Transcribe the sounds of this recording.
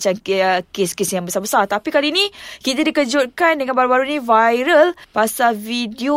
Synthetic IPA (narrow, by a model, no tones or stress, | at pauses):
t͡ʃankeskesjaŋbəsabəsart̪apikaliːnĩkit̪adikərd͡ʒut̪̚kandəŋanbaɾubaɾuinĩvajɾəlpasalvidio